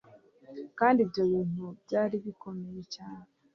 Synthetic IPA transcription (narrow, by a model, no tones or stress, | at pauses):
kaːndiːbjo̞βiːn̥ubɟaːɾiβikʰo̞me̞je̞caːne